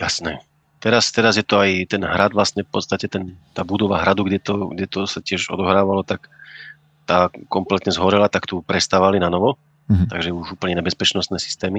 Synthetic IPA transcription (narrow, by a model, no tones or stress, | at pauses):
jasnɛ | t̪ɛɾast̪ɛɾazjɛt̪ɔajt̪ɛnɦɾad̪ʋlast̪ɲɛfpɔ̰t̪st̪acɛt̪ɛnt̪aːbud̪ɔʋaɦɾad̪uɡɟɛt̪ɔɡɟɛt̪ɔsacɪɛʒɔ̰d̪ɔɦɾaːʋalɔt̪ak | t̪aːkɔmplɛt̪ɲɛzɦɔɾɛlat̪akt̪ɔpɾɛst̪aːʋalinanɔʋɔ | t̪aɡʒɛuʒuːpl̩ɲɛɲɛbɛspɛt͡ʃnɔst̪nɛːsi̥st̪ɛːmi